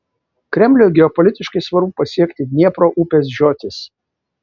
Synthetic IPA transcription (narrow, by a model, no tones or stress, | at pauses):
kɾʲɛmʲlʲoɡʲɛɔpɔlʲɪt̪ʲɪʃkɐɪsʋɐɾbʊpɐsʲiɛkt̪ʲɪnʲiɛpɾoːʔuːpʲeːs̬ʒʲoːt̪ʲɪs